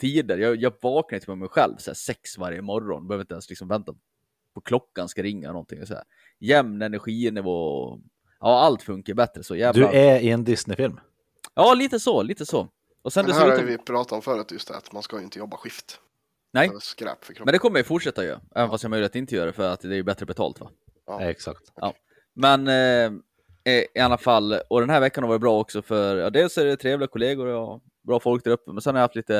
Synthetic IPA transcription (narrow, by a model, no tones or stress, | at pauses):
t̪ʰiːd̪əɾjɑːjɑːvɑːknajt̪ʰɪmɛɔmːɛjɧɛ̰lvsɔæ̰ːsɛksvaɾjəmɔɾɔ̰nbɛhøːvɾɪnt̪ɛnslɪksɔmvɛnt̪a | pʰɔkʰlɔkːanskaɾɪŋːa̰nɔnt̪ʰɪ̰ŋɛsɔæ̰ɾ | jɛmnɛnæɾɧiːnɛvɔ | ʔɑːalt̪fɵŋkaɾbɛt̪ɾəsɔjɛd̪ɵæɪɛnd̪ɪsnɪfɪlm | ʔɑːliːt̪əsɔliːt̪əsɔ | ɔsɛnd̪ɛvɪpʰɾɑːt̪at̪ɔmfœːɾʉt̪jɵst̪̚ɛ̰a̰t̪manskajʏɪnt̪əjɔbːaɧɪft̪ | nɛjskɾɛ̰ːpfœkʰɾɔɛnɛkʰɔmːɾjajʉfʊʈʂɛt̪ːajø̰ʔɛ̰ːvənfast̪jɑmœjlɪət̪ɪnt̪əjœːɾaɖɛfœɾat̪d̪ɛæɾjɵbɛt̪ːɾəbɛt̪ʰɑ̰ːlt̪va̰ | ɛ̰ksa̰kt̪ʔɑ̰ː | mɛn | ɪalːafalːɔd̪ɛnɦæːɾvɛkːanhavɑːɾət̚bɾɑːɔksɔfœɾjɑ̰ːd̪eːlsɔæɾɛt̪ʰɾeːvlɪɡakʰɔleːɡʊɾa | bɾɑːfɔlk̚d̪æɾɵpːəmɛnsɛnhaɾjhaft̪liːt̪ə